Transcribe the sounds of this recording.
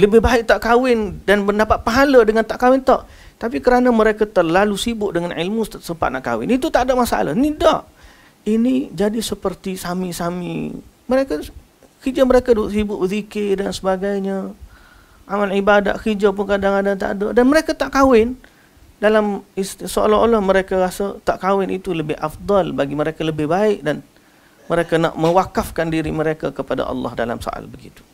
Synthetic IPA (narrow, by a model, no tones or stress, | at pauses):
ləbɪhbaɪk̚t̪aʔkawɪndanbədapat̪̚paɦalədəŋant̪aʔkawɪnt̪ɔʔ | t̪ap̬ikəɾanəməɾekat̪əlalusibʊʔ̚dəŋanʔilmussəmpat̪̚naʔka̰wɪ̰nit̪ut̪aʔdaʔmasa̰la̰hnidaʔ | inid͡ʒadisəpərt̪isamisamḭməɾeka | kid͡ʒaməɾekaduʔsibʊʔbəzikɪdansəbaɡajɲə | ʔamalʕibada̰t̪hid͡ʒap̬ʊnkadaŋandat̪̬a̰ʔdoʔdanməɾekat̪aʔkawɪn | dalamissəo̰laolahməɾekaɾasat̪aʔkawɪnʔit̪uləbɪhafd̪ˤɑlbaɡiməɾekaləbɪhbaɪk̚dan | məɾekana̰ʔmə̃wakafkandiɾiməɾekakəpada̰ʔɑ̰lːɑ̰hda̰la̰mso̰ʔa̰lbəɡḭt̪u̥